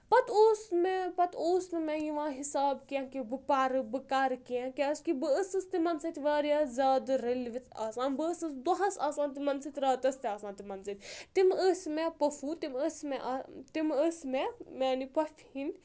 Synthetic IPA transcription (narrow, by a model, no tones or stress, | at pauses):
pɐt̪ʰoːsmepɐt̪ʰoːsnɨmẽjiʋãːɦisaːbkijãkibɨpaːɾɨbɨkaːɾkiãkʲaskibɨəsɨst̪imɐnsɐt̪ʰʲʋaːɾjaːzʲaːd̪ɨɾɐlʋit̪ʰaːsãːnbɨːsɨsd̪ɔɦɐsaːsãːnt̪imɐnsit̪ʲɾaːt̪ɐst̪iaːsãːnt̪imɐnsɨt̪ʲt̪iməsmepɐfʰut̪iməsmɛʔɐt̪iməsmemeːnipɐfʰhin